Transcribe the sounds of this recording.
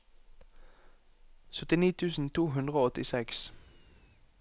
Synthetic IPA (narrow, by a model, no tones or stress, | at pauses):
sœt̪ɪniːt̪ʰʉːsn̩t̪ʰuːɦʉnd̪ʁəoːɔt̪ɪsɛks